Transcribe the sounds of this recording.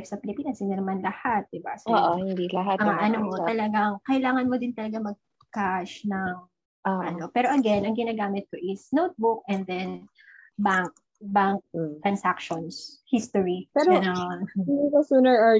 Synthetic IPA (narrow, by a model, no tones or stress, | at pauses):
fsɐpɪlɪpiːnɐsɪnɐnɐmanlɐhat̪̚d̪ɪba̰soʔohɪnd̪ilɐɦat̪ɐŋɐnomot̪ɐlɐɡaŋkɐʔɪlaːŋɐnmod̪ɪnt̪ɐlɐɡamɐɡ̚ | kaʃnɐŋ | ɐno̞pɛːɾo̞ʔɐɡɛnɐŋɡɪnaːɡaːmɪt̪̚koʔɪsnowt̪̚bʊk̚ʔɛnd̪ɛn | baŋk̚ | baŋk̚t̪ɾɐnsakʃɔnshist̪oɹipɛɾonoɪikosuːnɛɹʔa